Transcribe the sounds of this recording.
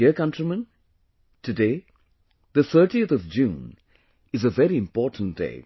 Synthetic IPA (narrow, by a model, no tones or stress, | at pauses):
iəkʌ̃ntɾimə̃n | tʰɨdeː | ðət̪ʰəːʈiət̪ɔvd͡ʒũːn | ɨzəvɛɾiɪ̃mpɔːtn̩t̚d̥ḛɪ